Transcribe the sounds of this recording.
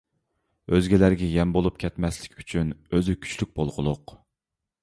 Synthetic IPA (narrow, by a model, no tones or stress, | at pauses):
øzɡʲɛlæɾɡʲɛjɛmbolˠup̚kʲʰɛt̪mɛslɪ̥kʲyt͡ʃʰynøzykʲʰy̥t͡ʃlyk̚ʲbolˠʁʊlˠʊq